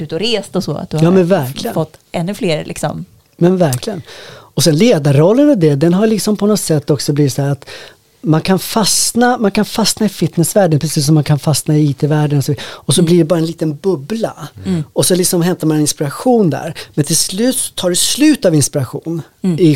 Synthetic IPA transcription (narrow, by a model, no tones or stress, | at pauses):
ʉ̟ːt̪ɔɾeːst̪ɔsɔ̰ːa̰t̪̚d̪ɵjɑːmɛnvæɾkʰlɪfɔt̪ːɛnːɵfleːɾlʔɪ̰ksɔ̰m | mɛnvæɾkʰlɪɡənɔsɛnleːd̪aɾɾɔlːənɔvd̪ɛd̪ɛnɦaɾjlɪksɔmpʰɔnɔt̪sɛt̪ːɔksɔbliːvɪt̪sɔhæːɾat̪ | mankʰanfasnamankʰanfasnaɪfɪt̪nɛsvæːɖənpʰɾɛsiːs̬ːɔmːankʰanfasnaɪiːt̪ʰevæːɖənɔsɔviːɔsɔbliɖɛbɑːɾaɛnliːt̪ənbɵblaɔsɔlɪksɔmɦɛmt̪aɾmanɛnɪnspɪɾaɧuːnd̪æ̰ɾmɛnt̪ʰɪlslʉ̟ːt̪sɔ̥t̪ʰːɑːɖʉslʉ̟ːt̪avɪnspɪɾaɧuːn | ɪ